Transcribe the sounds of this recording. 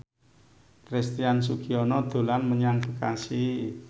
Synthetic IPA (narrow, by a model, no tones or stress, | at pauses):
pɾɛst̪iansukiɔnɔd̪̥o̤lanməɲaŋb̥əkasi